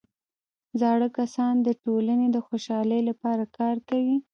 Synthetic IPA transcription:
zɑɽəkasɑnd̪əʈolaned̪əxoʃɑləjlapɑɾakɑɾkawi

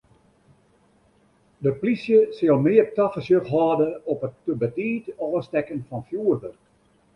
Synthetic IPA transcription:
dəplisjəsɪlˠmɪəp̚tɑxəsjəxɦɑːdəɔpətːəbətiːtɔːstɛkənfɔnfjuːərdər

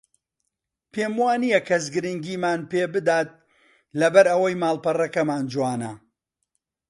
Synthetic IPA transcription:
pʰeːmuwaːnijɐkʰɐz̬ɡɨɾɨŋɡiːmaːnpeːbɨd̪aːt̪̚ | lɐbɐɾɐwɐjmaːlˠpɐrɐkɐmaːnd͡ʒwaːnɐ

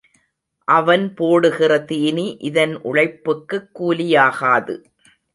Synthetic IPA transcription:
ʔɐʋɐnpoːɽɯɣɪrɐt̪iːniʔɪðɐnʔʊ̰ɻɐɪpːɯkːɯkːuːlɪjaːɣaːðɯ̰

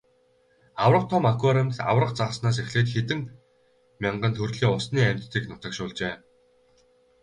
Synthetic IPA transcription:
awrə̆q̚t̪ʰʊmakwaɾemʲt̪ɮa̰wrə̆qt͡saʁə̆snaːs̬exɮeːt̪xet̪ɘ̆ŋ | mʲaɴɢə̆nt̪ʰɵrɮiːʊsniːæm̥ʲt̪ːiːknʊt̪ə̆kʃʊːɮt͡ɕeː

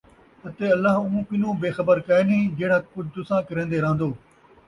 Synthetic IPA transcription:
ɐt̪eɐlːaɦũũpɪnõːbeːxɐbəɾkaenĩːd͡ʑɐɦɽaːkʊd͡ʑʱt̪ʊsãːkɐɾẽːnd̪eːɾãːnd̪oː

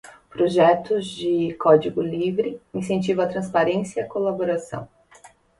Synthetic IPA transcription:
pɾoʒɛt̪ʊzd͡ʒɪkɔd͡ʒiɡʊlivɾɪĩsẽnt͡ʃivɐ̃t̪ɾɐ̃spaɾẽsjɐɐkolaboɾasɐ̰̃w̃

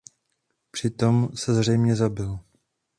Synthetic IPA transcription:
pr̥ɪt̪o̞msɛzr̝ɛjmɲɛzabɪl

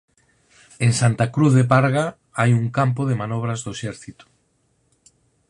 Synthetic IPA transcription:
eŋsant̪akɾuθðepaɾɣa | ajuŋkampoðemanɔβ̞ɾazðoeʃɛɾθit̪o̥

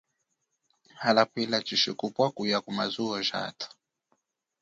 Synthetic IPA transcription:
halapilat͡ʃiʃikupwakujakumazuɔʒa̰tḁ

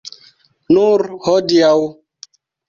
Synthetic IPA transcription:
nuɾhɔdiaw

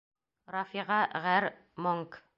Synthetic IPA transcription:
ɾɑfiʁɑʁæɾ | moŋk

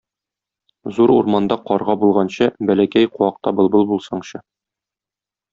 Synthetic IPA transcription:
zuɾuɾmɑnd̪ɑqɒɾʁɑbulˠʁɑnɕɤbælækæjquɑq̚t̪ɑbɤ̆lˠbɤlˠbulˠsɑɴɕɤ

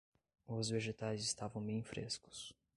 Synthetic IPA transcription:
ʊzveʒet̪ajzɪst̪avɐ̃w̃mẽj̃fɾʔḛskʊ̥s

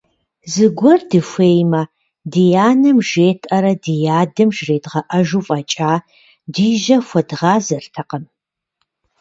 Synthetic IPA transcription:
zɨɡʷɔrdɨfʷeːjmɐ | dijaːnɐmʒeːtʰʼʔɐɾɐdijaːdɨmʒreːdʁɐʔɐʒuːfʼɐːt͡ʃʼaː | diʒɐfʷɐdʁaːzɐrtʰɐqəm

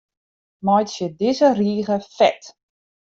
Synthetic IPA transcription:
mɔjtsjədɪzəriːɣəfɛ̰t

